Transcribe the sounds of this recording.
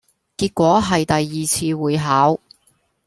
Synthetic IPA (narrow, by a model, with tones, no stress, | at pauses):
kiː˧t̚kʷɔː˨˥ɦɐ˨jt̪ɐ˨jːiː˨t͡sʰiː˧wuː˨˧jɦaː˨˥w